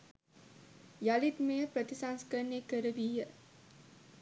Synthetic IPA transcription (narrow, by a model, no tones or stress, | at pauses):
jalit̪mejəpɾət̪isanskənekəɾəʋijə